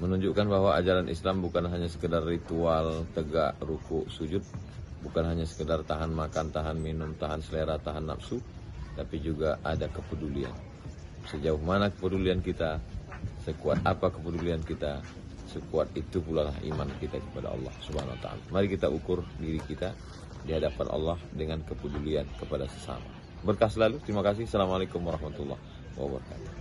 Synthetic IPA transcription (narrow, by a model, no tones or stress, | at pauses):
mənuɲd͡ʒuʔkanbaɦwaʔad͡ʒaɾanʔḭslambukanɦaɲasə̥kədarːit̪ualt̪əɡaʔrukʊʔsud͡ʒʊt̪̚bukanɦaɲasə̥kədart̪aɦanmakant̪aɦanminʊmt̪aɦansəleɾat̪aɦanːa̰p̚sut̪apid͡ʒuɡaʔadakəpədulia̰n | səd͡ʒaʊhmanakəpəduliankit̪asəkuat̪̚apakəpəduliankit̪a | səkuat̪̚it̪upulalahḭmankit̪akəpada̰ɑ̰lːɑ̰hsubahanwa̰t̪a̰a̰la̰maɾikit̪aʔukʊrdiɾikit̪a | diɦadapa̰nʔɑ̰lːɑhdəŋankəpəduliankəpadasə̥sa̰ma̰ | bərkaslalut̪əɾimakas̬ɪhsalamalekʊmwaɾɑhmat̪ulːɑ̰h | wa̰bəɾɑka̰t̪u̥